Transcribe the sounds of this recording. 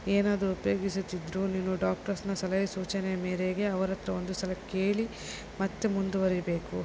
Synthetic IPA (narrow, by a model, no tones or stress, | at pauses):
eːnaːd̪ɾuupjo̞ːɡisut̪ːid̪ɾuniːnuɖaːk̚ʈɐɾsnɐsɐlɐjɐsuːt͡ʃɐnɛjɐmeːɾeɡe̞ɐʋɐɾɐt̪ːɾɐond̪ust̪ɐlɐkeːɭi | mɐt̪ːemund̪uʋɐɾibe̞ːku